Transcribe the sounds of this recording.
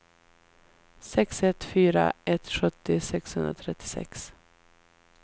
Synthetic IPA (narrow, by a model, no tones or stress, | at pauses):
sɛksɛt̪fyːɾa̰ɛt̪ɧɵt̪ːɪsɛkshɵnd̪ɾat̪ʰɾɛt̪ʰːɪ̥sɛ̰ks